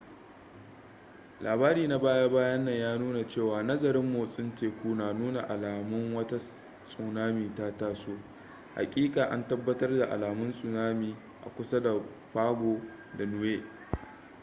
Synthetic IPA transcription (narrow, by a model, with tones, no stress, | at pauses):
lʔaː˨baː˦ɾiː˨na˨baː˦ja˦baː˦jɐ˦nːɐ˨ɲjaː˦nuː˦na˨t͡ʃeː˦˨waː˨nɐ˦zɐ˨ɾɪ˦mːoː˨sʼɪ˦nteː˨kʷuː˦naː˨nuː˦na˨ʔa˨laː˨mʊ˦ŋwɐ˦ta˦ | sʼu˨naː˦miː˨ta˦taː˦soː˦ | ha̰˨kʲʼiː˦kʼaː˨ʔa˦ntɐ˦bːɐ˦tɐ˦rda˨ʔa̰˨laː˨mʊ˦nsʼʊ˨naː˦miː˨ | ʔa̰˨kʷʊ˦sa˦da˨ | ɸaː˦ɡʷoː˨ | da˨nʊ˦weː˦